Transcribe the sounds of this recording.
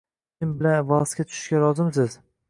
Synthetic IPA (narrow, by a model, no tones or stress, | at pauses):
ɪmbɪlanvɑskʲat̪ʰʊ̥ʃɪ̥ʃkʲaɾɒzɪms̬ɪz